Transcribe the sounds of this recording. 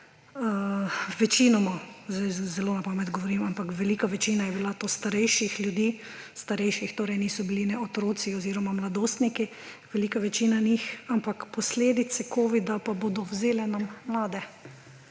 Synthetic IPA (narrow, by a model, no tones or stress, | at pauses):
ʋɛt͡ʃinɔmɔzajzɛloːnapaːmɛt̪ɡɔʋɔɾimampakʋɛliːkaʋɛt͡ʃiːnajɛbilat̪oːst̪aɾɛjʃixljud̪iː | st̪aɾɛjʃixt̪oːɾɛjniːsɔbilinɛɔt̪ɾoːt̪siɔziːɾɔmamlad̪oːst̪niki | ʋɛlikaʋɛt͡ʃinanixampakpɔsleːd̪it̪sɛkʰoːʋid̪apaboːd̪ɔwzeːlɛnamːlaːd̪ɛ